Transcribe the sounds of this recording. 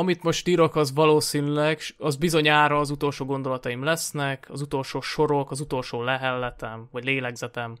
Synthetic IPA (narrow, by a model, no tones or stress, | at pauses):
ɒmit̪mo̞ʃt̪iːɾo̞kɒzʋɒloːsiːnylɛɡʃɒzbizo̞ɲaːɾɒːzut̪o̞lʃoːɡo̞nd̪o̞lɒt̪ɒjimlɛsnɛkʰɒzut̪o̞lʃoːʃo̞ɾo̞kɒzut̪o̞lʃoːlɛɦɛlːɛt̪ɛmvɒɟleːlɛɡzɛt̪ɛm